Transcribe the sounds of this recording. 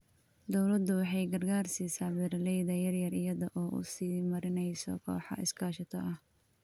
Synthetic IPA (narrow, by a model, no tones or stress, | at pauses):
d̪ɔwlɐd̪ʊwɑħɑjɡɐrɡaːrsiːsaːbɛɾlɛjðɐjɐrjɐrɪjɐðɔʔɔːʔʊ̰siːmɐɾɪnɛjsɔ̰kʰɔ̰ːħɑ̰ʔɪ̰skʰaːʃɐt̪ʰɐʔɐh